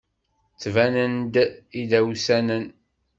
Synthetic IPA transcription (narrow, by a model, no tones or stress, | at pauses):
t͡sːvænənd̪iðæwsænən